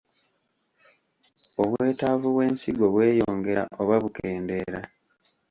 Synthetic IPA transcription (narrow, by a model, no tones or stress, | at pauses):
o̞βwe̞ːtavuβwe̞ːnsiɡo̞βwe̞ːjo̞ːŋɡe̞ɾa̰ʔo̞βaβukeːnde̞ːɾa̰